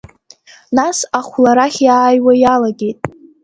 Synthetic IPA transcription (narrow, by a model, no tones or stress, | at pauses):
nasaχʷlaɾaχʲjaːjwajalaɡʲe̞jtʼ